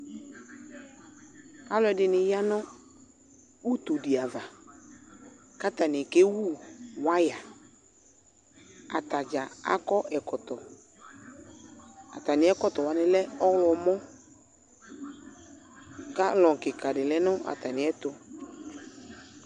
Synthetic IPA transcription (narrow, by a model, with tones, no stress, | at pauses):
a˦lɔ˨˦ɛ˨˦dɪ˨nɪ˨ja˦nɔ̃˦ | u˦t̪o˨dɪ˨a˨va˨ | ka˦t̪a˨nɪ˨ke˦wu˦˨wa˦ja˨ | a̰˨t̪a˨d͡ʒa˨a̰˦kɔ˦ʔɛ˨kɔ˨t̪ɔ˨ | a̰˨t̪a˨nɪ̃˨˦ɛ˦kɔ˦t̪ɔ˨wa˨nɪ˦lɛ˦ɔ˦wlɔ˨mɔ̃˦ | ka˦lɔ̃˨kɪ˨ka˨dɪ˨lɛ˦nɔ̃˦ʔa̰˨t̪a˨nɪ̃˨ɛ˦t̪ʊ˦